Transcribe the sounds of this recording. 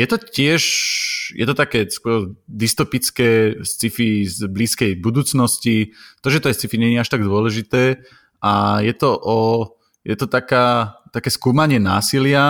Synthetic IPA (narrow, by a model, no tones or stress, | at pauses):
jɛt̪ɔcɪɛʒjʔɛt̪ɔt̪akɛːskʊɔɾd̪ist̪ɔpit͡skɛːst͡sifizbliːskɛjbud̪uːt͡snɔscit̪ɔʒɛt̪ɔɛjst͡sifiɲɛɲːaʃt̪aɡd̪ʊɔlɛʒit̪ɛː | ajɛt̪ɔʔɔ | jɛt̪ɔt̪akaːt̪akɛːskuːmaɲɪɛna̰ːsilɪa